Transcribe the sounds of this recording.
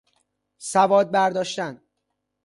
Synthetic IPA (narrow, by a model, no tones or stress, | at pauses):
sævɒːd̪̚bæɾd̪ɒːʃt̪æn